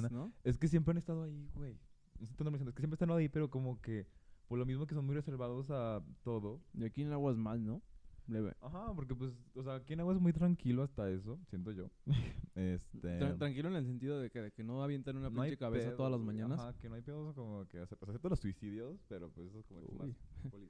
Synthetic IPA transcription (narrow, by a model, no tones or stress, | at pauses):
nanoe̞skes̬je̞mpɾeane̞st̪aðoaiɣwe̞j | nosent̪anomesjnekeempɾest̪anaðoipe̞ɾo̞ko̞mo̞ke̞poɾlo̞mizmokeso̞nmujreseɾβaðo̞s̬at̪o̞ðo̞iakinaɣwaezmalnobleβḛaxapo̞ɾk̬e̞pwesos̬eaːkianaɣwaezmujt̪ɾaŋkiloast̪ae̞s̬o̞sje̞nt̪oʝo̞ | est̪eɾat̪ɾaŋkiloenels̬e̞nt̪iðoðekeðekenoaβjent̪anũnanaajt͡ʃekaβesat̪oðalazmãɲãnasakenoajpeðoskomokeaset̪oseaset̪oelosːuisiðjo̞spe̞ɾopwesest̪oskomo̰poli